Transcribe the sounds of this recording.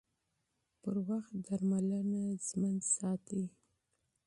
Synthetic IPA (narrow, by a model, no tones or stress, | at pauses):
pəɾwaxt̪̚d̪aɾmalənazmənsɑt̪i